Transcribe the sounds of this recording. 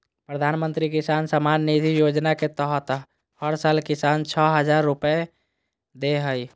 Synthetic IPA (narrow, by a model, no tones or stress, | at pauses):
pɾəd̪ʱanmənt̪ɾikisansəmanːit̪ijod͡ʒnaket̪əɦət̪ɦ | həɾsalkisant͡ʃʰəɦəd͡ʒaɾːupe | d̪eɦəj